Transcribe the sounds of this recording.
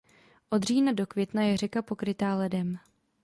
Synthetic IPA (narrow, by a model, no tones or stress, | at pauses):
ʔo̞d̪r̝iːnado̞kvjɛt̪najɛrɛkapo̞kɾɪt̪aːlɛdɛm